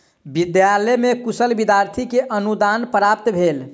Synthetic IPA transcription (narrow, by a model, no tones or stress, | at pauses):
bid̪jalɛmekusəlbid̪jaɾt̪ʰikeʔənud̪anpɾap̚t̪bʱel